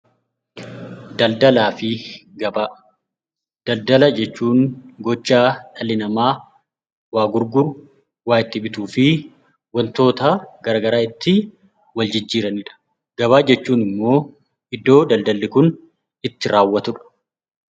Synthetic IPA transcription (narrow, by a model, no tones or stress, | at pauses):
d̪ɐld̪ɐlaːfɪɡɐba | d̪̥ɐld̪ɐlɐd͡ʒɛt͡ʃːuːŋɡɔt͡ʃːaːᶑɐlɪnɐmaː | waːɡʊɾɡʊɾʊ | waːʔɪt̪ːɪbɪt̪uːfɪ | wɐnt̪o̞ːt̪ɐɡ̥ɐɾɐːɡɐɾaːɪt̪ːɪ | wɐld͡ʒɪd͡ʒːiːɾɐnɪᶑɐ̥ | ɡ̥ɐβaːd͡ʒɛt͡ʃːuːnɪmːo̞ː | ɪd̪ːo̞ːd̪ɐld̪ɐlːɪkʊn | ɪt̪ːɪɾaːwːɐt̪ʊᶑɐ̥